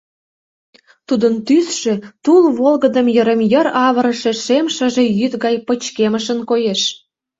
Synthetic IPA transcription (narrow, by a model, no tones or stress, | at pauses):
t̪ud̪ənt̪ysʃet̪ulβolɣə̆d̪əmjə̆ɾəmjə̆ɾɑβə̆ɾə̆ʃĕʃemʃə̆ʒĕjyt̪ɣɑjpə̆t͡ɕkeməʃənkojeʃ